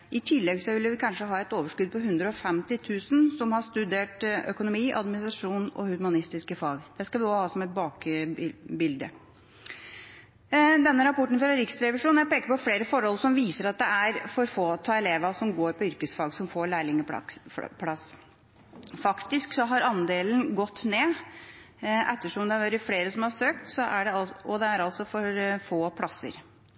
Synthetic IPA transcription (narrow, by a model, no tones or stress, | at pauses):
ʔɪt̪ʰɪlːɛɡsɔʋɪlːəʋɪkʰɑnʂəɦɑːɛt̪oːʋəʂkʉd̪̚pʰɔɦʉnd̪ɾəɔfɛmt̪ɪt̪ʰʉːsn̩sɔmhɑʂt̪ʉd̪eːʈœkʊnʊmiːʔɑ̰d̪mɪnɪst̪ɾɑʂuːnɔ̰hʉɾmɑnɪst̪ɪskəfɑːɡd̪̥ɛskɑʋɪɔhɑːsɔmɛt̪̚bɑːk | bɪld̪ə | d̪ɛnːəɾɑpɔʈːɳ̩fɔɾɛɾɪksɾɛʋɪʂuːnjæpeːkəɾpɔfleːɾəfɔɾhɔlsɔmʋiːsəɾɑt̪̚d̪ɛæɾfɔɾfoːt̪ʰɑːɛleːʋɑsɔmɡoːɾpɔʏɾkəsfɑɡsɔmfoːɾɭæːɭɪŋəpʰɽɑs | fɑkt̪ɪsksɔɦɑɾɑnd̪eːlənɡɔt̪ːneː | ʔɛt̪ːəʂɔmd̪ɛæɾʋɑːɾəfleːɾəsɔmhɑɾʂøːk̚t̪sɔʔæɖɛɑɔd̪ɛæɾɑlsɔfɔɾfoːpʰlɑsːə̰ɾ